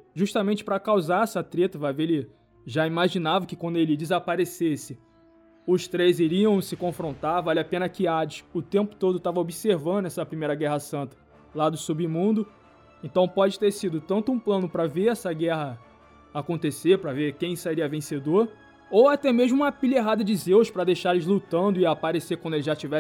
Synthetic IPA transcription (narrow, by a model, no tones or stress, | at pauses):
ʒuʃt̪ɐmẽnt͡ʃɪ̥pɾɐkawzaɾɛsɐt̪ɾet̪ɐvavelɪ | ʒaimaʒinavɐkɪkwɐ̃nd̪ʊelɪd͡ʒɪzapaɾesesɪ | ʊʃt̪ɾejziɾiɐ̃w̃sɪkõfɾõnt̪aɾvalʲɪapẽnɐkɪad͡ʒɪʃʊt̪ẽmpʊ̥t̪od̪ʊt̪avɐobiseɾvɐ̃nd̪ʊɛsɐpɾimejɾɐɡɛɦɐsɐ̃nt̪ɐ̥ | lad̪ʊsubimũnd̪ʊ | ẽnt̪ɐ̃w̃pɔd͡ʒɪt̪eɾsid̪ʊt̪ɐ̃nt̪ʊũplɐ̃nʊpɾɐveɾɛsɐɡɛɦɐ | akõnt̪eseɾpɾɐveɾkẽj̃saɾiɐvẽsed̪oɾ | owat̪ɛmeʒmʊũmɐpiʎeɦad̪ɐd͡ʒɪzewʃpɾɐd̪ejʃaɾlɪzlut̪ɐ̃nd̪ʊɪapaɾesekwɐ̃d̪ʊelɪʒat͡ʃivɛ